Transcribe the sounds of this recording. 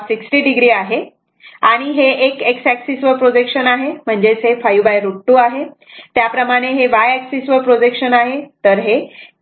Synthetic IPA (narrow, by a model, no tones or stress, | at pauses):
siksʈiːɖiɡɾiːaɦe | aɽ̃iɦeʔekeksæksisʋəpɾod͡ʑekʂənaɦem̤əɳd͡ʑet͡sɦefajubajɾuʈːuaɦe | t̪japɾəmaɽ̃eɦeʋajæksisʋəpɾod͡ʑekɕənaɦet̪əɾɦe